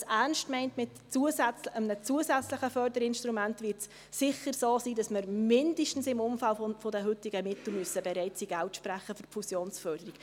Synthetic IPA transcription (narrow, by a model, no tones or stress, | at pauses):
sæɾnstmɛɪntmɪt | t͡suəsæt͡səmnət͡suəsæt͡sləχəfœrdəɾɪnʃtɾumæntvɪɾts | sɪχəɾsoːsiːdɑsməɾmɪndəʃtn̩sɪmʊmfalffodəɦʏtiɡəmɪtl̩myəsəbɛɾɛɪt͡siɡ̥æltʃpɾæχːəfʏrpfusjoːnsfœrd̥əɾik